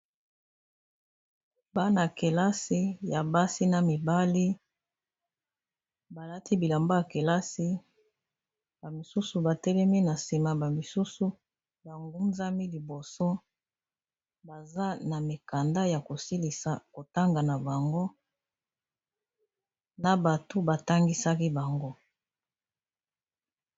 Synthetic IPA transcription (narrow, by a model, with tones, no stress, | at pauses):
ba˦na˨ke˨la˦si˦ja˨ba˦si˦na˨mi˨ba˦li˦ | ba˨la˦ti˦bi˨la˨mbo˦ja˨ke˨la˦si˦ | ba˨mi˨su˦su˨ba˨tɛ˦lɛ˦mi˦na˨si˨ma˨ba˨mi˨su˦su˦ | ba˨ŋɡu˦nza˦mi˦li˨bo˨so˦ | ba˨za˦na˨me˨ka˨nda˦ja˨ko˨si˦li˨sa˨ko˨ta˦ŋɡa˨na˨ba˨ŋɡo˦ | na˨ba˨to˦ba˨ta˦ŋɡi˦sa˦ki˦ba˨ŋɡo˦